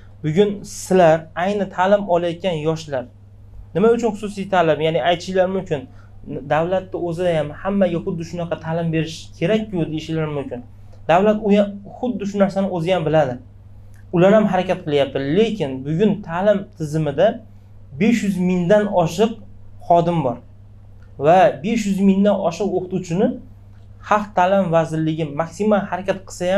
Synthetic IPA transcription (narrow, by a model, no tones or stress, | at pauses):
bʊɡʲʊnsɪlaɾajnɪt̪ʰaːlɪmɒlˠajɒt̪̚kʲʰanjɒʃlaɾ | nɪmaʊt͡ʃʰʊnχʊ̥susijt̪ʰalɪmjanɪajt̪ʰɪʃlaɾmʊmkʲʰɪn | d̪awlat̪ːɪɵzɪd̪ajamhamːaɡʲaχʊd̪ːɪʃʊnɑqʰɑt̪ʰaːlɪmbe̞ɾɪʃkʲʰe̞ɾak̚ʲjod̪eeʃɪlaɾmʊmkʲɪn | d̪awlat̪ʊjaχʊd̪ːɪʃ̬ʊnaɾsanɪɵzɪjambɪlad̪ɪ | ʊlaɾhamɦaɾakʲat̪̚qʰɨlˠjap̚t̪ʰɪle̞kʲɪnbʊɡʲʊnt̪ʰaːlɪmt̪ʰɪzɪmɪd̪a | be̞ʃjʏzmɪŋd̪anɒʃɨq̚χɒd̪ɪmbɒɾ | vabe̞ʃjʊzmɪŋd̪anɒ̰ʃɨqoqʰʊt̪uwt͡ʃʰɪnɪ | hɑqt̪ʰːaːlɪmvazɪɾlɪɡʲɪmaksimalˠhaɾakʲat̪qʰɨ̥sajam